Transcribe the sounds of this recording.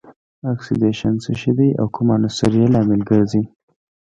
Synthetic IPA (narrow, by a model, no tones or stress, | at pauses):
aksɪdeʃansəʃid̪ajʔa̰wkʰʊmanasaɾjelɑmɪlɡəɾzi